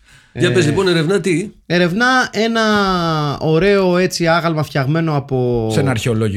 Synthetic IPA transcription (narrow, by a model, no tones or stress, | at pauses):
jɐpezlipo̞ne̞ɾe̞vnɐt̪ie̞ɾe̞vnɐe̞nɐ | o̞ɾe̞o̞e̞t͡siɐɣɐlmɐfçɐɣme̞no̞ɐpo̞senɐɾçeo̞loʝ